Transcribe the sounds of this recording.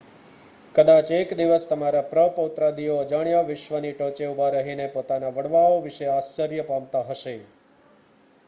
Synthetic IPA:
kəd̪at͡ʃekd̪iʋəst̪əmaɾapɾəpəut̪ɾad̪iod͡ʒaɳjaʋɪʃʋəniʈot͡ʃeubaɾəɦinepot̪anaʋəɽʋaoʋɪʃeast͡ʃəɾjəpamt̪aɦəʃe

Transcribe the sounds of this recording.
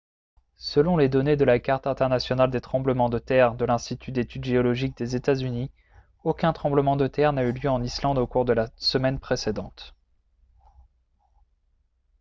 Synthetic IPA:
səlɔ̃led̪ɔned̪əlakaʁt̪ɛ̃t̪ɛʁnasjɔnald̪et̪χɑ̃bləmɑ̃d̪ət̪ɛʁd̪əlɛ̃st̪it̪ʰyd̪et̪yd̪ʒeɔlɔʒik̚d̪ezet̪azyni | okʲɛ̃t̪χɑ̃bləmɑ̃d̪ət̪ɛʁnayljøɑ̃nislɑ̃d̪okuʁd̪əlasəmɛnpχesed̪ɑ̃t̪

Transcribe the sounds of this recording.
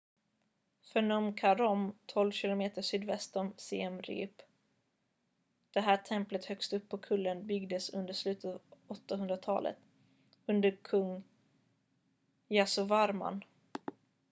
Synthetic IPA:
fœɳɔmkʰaɾɔmt̪ʰɔlvɕɪlʊmeːt̪əʂyːd̪vɛst̪ɔmseɛmɾḭːp | d̪̥ɛɦæːʈʰɛmplət̪hœkst̪ɵpːɔkʰɵlːənbʏɡd̪əsɵnd̪əʂlʉ̟ːt̪ət̪ːvɔt̪ːaɦɵnd̪ɾat̪ʰɑ̰ːlʔə̰t̪ | ɵnd̪əɾkʰɵŋː | jasʊvaɾma̰n

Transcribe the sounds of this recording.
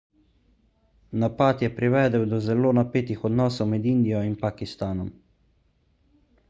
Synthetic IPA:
napaːt̪jɛpɾiʋɛːd̪əwd̪ɔzɛloːnapeːt̪ixɔd̪nɔːsɔwmɛd̪ind̪ijɔinpakist̪aːnɔm

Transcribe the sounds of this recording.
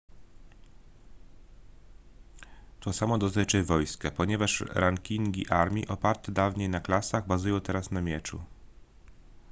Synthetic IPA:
t̪ɔsamɔd̪ɔst̪ɘt͡ʂɛvɔjskɛpɔɲɛvaʂɾʔaŋkʲiŋɡʲḭʔaɾmʲḭʔɔpaɾt̪ɛd̪avɲejnaklasaɣbazujɔ̃w̃t̪ɛɾasnamʲjɛt͡ʂṵ

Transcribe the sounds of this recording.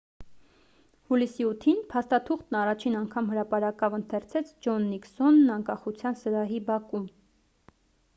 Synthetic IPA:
hulisiut̪ʰinpʰɑst̪ɑt̪ʰuχt̪nɑrɑt͡ʃʰinɑŋkʰɑmhəɾɑpɑɾɑkɑvənt̪ʰɛɾt͡sʰɛt͡sʰd͡ʒɔnːiksɔnːɑŋkɑχut͡sʰjɑnsəɾɑɦibɑkum

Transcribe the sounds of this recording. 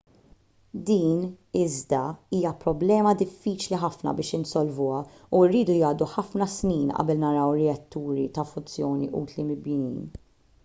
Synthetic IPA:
d̪iːn | ɪzd̪ɐiːjɐpɾɔblɛːmɐd̪ɪfːiːt͡ʃliħɐfnɐ̰bɪːʃɪnsɔlvʊːɐ | uɪrːiːd̪ujɐːd̪uħɐfnɐsniːnʔɐ̰bɛlnɐɾɐwɾɛɐt̪ːuːɾit̪ɐfʊnt͡sjɔːniʔuːt̪limɪlbjɪnḭːn

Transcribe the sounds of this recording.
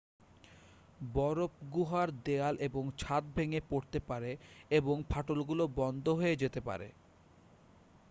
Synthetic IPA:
bɔɾop̚ɡuɦaɾd̪ealʔeboŋt͡ɕʰat̪̚bʱeŋepoɾt̪epaɾeeboŋpʰaʈolɡulobɔnd̪ʱoɦoed͡ʑet̪epa̰ɾḛ

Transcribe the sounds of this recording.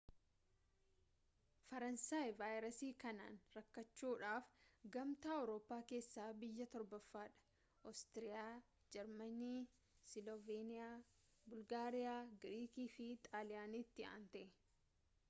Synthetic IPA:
fɐɾɐnsaːjvaːjɾɐsiːkɐna̰ːnɾɐkːɐt͡ʃːuːᶑaːfɡɐmt̪aːɐwɾo̞ːpːaːke̞ːsːaːbɪjːɐt̪ɔɾbɐfːaːᶑɐ̥ | ʔɔst̪ɪɾɪjaː | d͡ʒɛɾmɐniː | sɪlɔveːnɪaː | bʊlɡaːɾɪjaːɡɾiːkiːfɪt̪ʼaːlɪjaːniːt̪ːɪa̰ːnt̪ɐʔɛ

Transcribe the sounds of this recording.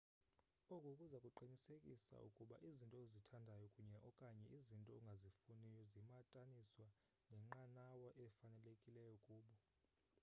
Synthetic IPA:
ɔkʼokʼuzakʼuǃinisekʼisa̰ṵkʼuɓa̰ʔizintʼɔezitʰandʱajɔkʼuɲɛʔɔkʼaɲɛʔizintʼɔuŋɡʱazifunijɔzimatʼaniswa | nʱɛŋ͡ǁanawɔʔɛfanɛlekʼilɛjɔkʼuːɓɔ

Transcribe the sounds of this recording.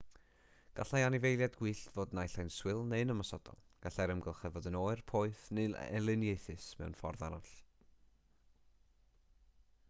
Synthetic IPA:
ɡ̥aɬajanɪvejlˠjadɡwiːɬvoːdnajɬajnswɪlˠneɨnəmasɔd̥ɔ̰lˠɡ̥aɬɛɾəmɡəlˠχɛvɔdənoːɨrpʰoːɨθneɛ̰lˠɨnjejθɨsmɛ̰wnfɔ̰rðanɔɬ

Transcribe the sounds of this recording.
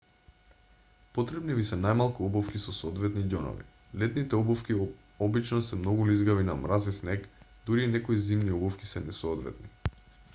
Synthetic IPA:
pot̪ɾɛbnivisɛnajmalˠkuɔbɔfkisɔsoɔd̪vɛt̪niɟɔnɔ̰vḭ | lɛt̪nit̪ɛɔbɔfkʲi | ɔbit͡ʃnɔsɛmnɔɡulizɡavinamɾazisnɛkd̪uɾiːnɛkoizimniɔbɔfki̥sɛnɛsoːd̪vɛ̰t̪ni

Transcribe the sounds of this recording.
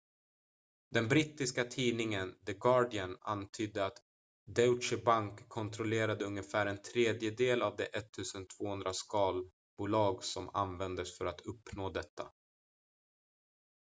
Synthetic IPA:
d̪̥ɛnbɾiːt̪ːɪskat̪ʰiːnɪŋənd̪əɡɑːɖɪəna̰nt̪ʰyːd̪əat̪ | d̪ɛʊt͡ʃɪbaŋkʰːɔnt̪ʰɾɔleːɾad̪əɵŋːəfæːɾɛnt̪ʰɾeːd̪jəd̪eːlavd̪ɛʔɛt̪ʰːʉ̟ːsənt̪ʰv̥oːhɵnd̪ɾaskɑːl | b̥uːlɑːɡsɔma̰nvɛnd̪əsfœɾat̪ʰɵpːnoːd̪ɛt̪ːa̰

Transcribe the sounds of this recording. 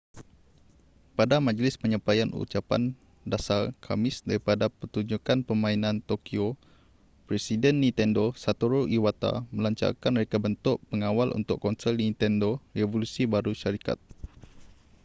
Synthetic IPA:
padamãd͡ʒlɪspəɲãpajanṵt͡ʃapa̰n | dasarkʰa̰mɪsdaɾipadapərt̪uɲd͡ʒukanpəmãinãnt̪okio | pɾesidɛnːĩnt̪ɛndosat̪oɾoʔiwat̪a̰məlaɲt͡ʃa̰rkanməɾekabənt̪ʊʔpəŋawalʔṵnt̪ʊkːɔnsɛlnĩnt̪ɛndorevolusibaɾuʃaɾika̰t̪̚

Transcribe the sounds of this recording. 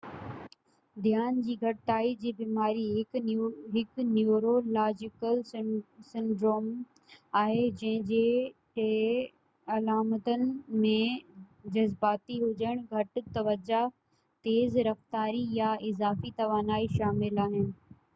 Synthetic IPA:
d̪ijaːnd͡ʑiːɡʱɐʈɪt̪aːid͡ʑiːbiːmaːɾiɦ | ɦɪknjuːɾolaːd͡ʑɪkəlsɪ̃ɳɖɾoːm | aːɦed͡ʑɐ̃ɦɪ̃d͡ʑeːʈe | ɐlaːmət̪ənɪ̆mẽd͡ʑɐzbaːt̪iɦʊd͡ʑəɽ̃ɡʱɐʈ̆t̪ɐʋəd͡ʑa | t̪eːzɾɐft̪aːɾijaɪzaːfit̪ɐʋaːnaːiʃaːmɪlaːɦɪnɪ̆

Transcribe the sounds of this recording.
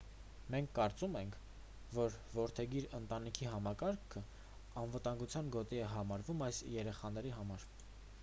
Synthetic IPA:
mɛŋkʰːɑɾt͡sumɛŋkʰ | vɔɾ | vɔɾt̪ʰɛɡiɾənt̪ɑnikʰiɦɑmɑkɑɾkʰə | ɑnvət̪ɑŋɡut͡sʰjɑnɡɔt̪iɛɦɑmɑɾvumɑjsjɛɾɛχɑn̪ɛɾiɦɑmɑɾ

